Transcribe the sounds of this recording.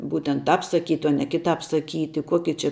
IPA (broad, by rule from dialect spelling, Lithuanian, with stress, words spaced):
ˈbuːtʲɛnt ˈtɑːp sɐˈkʲiːtʲɪ oː nʲɛ kʲɪˈtɑːp sɐˈkʲiːtʲɪ ˈkoːkʲɪ t͡ʃʲɪ